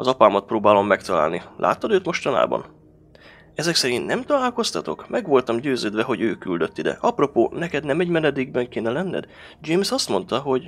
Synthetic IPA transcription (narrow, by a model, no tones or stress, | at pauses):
ɒzɒpaːmɒt̪̚proːbaːlo̞mːɛkt̪ɒla̰ːlnilʔa̰ːt̪ːɒd̪øːt̪mo̞ʃt̪ɒna̰ːbɒ̰n | ɛzɛksɛɾint̪nɛmt̪ɒlaːlko̞st̪ɒt̪o̞̰kmʔɛɡʋo̞lt̪ɒmɟøːzøːd̪vɛɦo̞ɟøːkyld̪ø̞t̪ːid̪ɛ̰ʔɒpro̞poːnɛkɛd̪nɛmɛɟmɛnɛd̪eːɡbɛŋkeːnɛlɛnːɛ̰d̪ | d͡ʒemsɒst̪mo̞n̪t̪ɒɦo̞ɟ